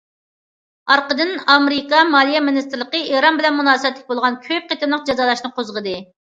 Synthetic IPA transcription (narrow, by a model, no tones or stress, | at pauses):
ɑɾqəd̪ɨnɑmɾɪkɑmɑlˠijɛmɪnist̪ɪɾləqəeɾɑnbɪlɛnmunɑːsəbɛt̪lʲɪk̚ʲbolˠʁɑnkʲʰøp̚qʰet̪ɪmlˠəq̚d͡ʒɑzɑːlˠɑʃnɨqʰozʁəd̪ɨ